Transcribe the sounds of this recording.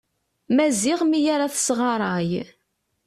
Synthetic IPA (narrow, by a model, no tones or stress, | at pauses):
mæzɪʁmijaɾaθsʁɑɾˤɑj